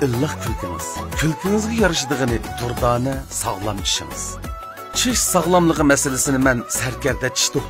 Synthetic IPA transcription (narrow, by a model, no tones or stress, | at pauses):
ɪlːəχkʲʰylkʰʲiŋɨ̰z̥kʲʰylkʰʲɪŋɨzɡʲɛjɑɾɨʃɨd̪əʁənɨd̪̥uɾd̪ɑːnɨsɑʁlˠɑmiʃḭŋɨ̰z̥ | t͡ʃʰiʃsɑʁlˠɑmlˠəʁəmɛsɪlɪsɪnɪmɛnsæɾkʲɛɾd̪ɛt͡ʃʰi̥ʃt̪u